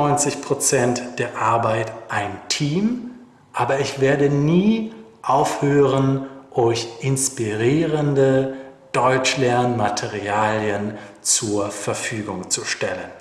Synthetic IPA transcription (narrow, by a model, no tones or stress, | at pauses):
ɔʏnt͡sɪçpʁ̥ot͡sɛntd̥eːɐʔaɐbaɪtʔaɪntʰiːm | ʔaːbɐɪçv̥eːɐdəniːʔaʊfhøːʁənʔɔʏçʔɪnspiʁiːʁəndəd̥ɔʏt͡ʃlɛɐnmatʰeʁiaːljənt͡suːɐfɛɐfyːɡʊŋt͡suʃtɛlən